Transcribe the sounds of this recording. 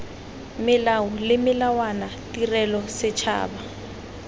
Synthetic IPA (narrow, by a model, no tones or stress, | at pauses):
mɪlaʊlɪmɪlawanatirɛlɔsɪt͡ʃʰa̰ːba